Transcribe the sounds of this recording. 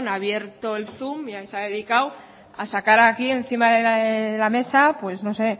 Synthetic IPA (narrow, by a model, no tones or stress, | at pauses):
naβje̞ɾt̪o̞elθumiajsaðe̞ðikaw | asakaɾakie̞nθimaðeelame̞sapwe̞zno̞se̞